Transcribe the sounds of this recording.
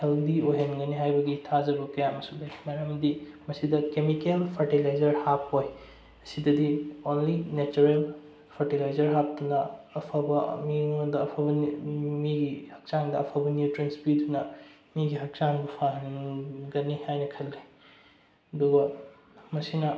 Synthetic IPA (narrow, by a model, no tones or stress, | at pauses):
heldiojɦenɡɐniɦajbɐɡitʰad͡ʒɐbɐkɐjamɐsubejmɐɾɐmdimɐsidɐkemikelpʰɐɾʈilajzɐɾhap̚oj | ɐsidɐdionlinet͡ʃuɾel | pʰɐɾtilajzɐɾɦap̚tunɐːpʰabɐmidɐːpʰabɐmiɡihɐk̚t͡ʃaŋdɐːpʰabɐnjutɾenspidunɐ | miɡiɦɐk̚t͡ʃaŋbɐpʰaɦenɡɐnihajnɐkʰɐlːi | ɐduɡɐ | mɐsinɐ